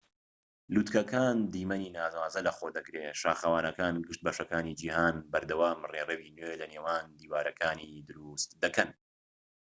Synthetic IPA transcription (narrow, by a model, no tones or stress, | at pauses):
luːt̪kɐkaːnd̪iːmɐniːnaːzwaːzɐlɐxoːd̪ɐkɾeːʃa̰ːxɐwaːnɐkaːnɡɨʃt̪̚bɐʃɐkaːniːd͡ʒiːhaːnbɐɾd̪ɐwaːmreːrewiːnweːlɐneːwaːnd̪iːwaːɾɐkʰaːnid̪ɨɾust̪d̪ɐkɐn